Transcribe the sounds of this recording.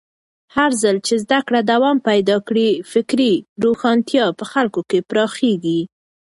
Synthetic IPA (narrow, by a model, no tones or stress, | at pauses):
haɾzəlt͡ʃezd̪akɽad̪awɑmpajd̪ɑkɽifɪkɾiɾoxɑnt̪jɑpəxalkokepɾɑxeɡi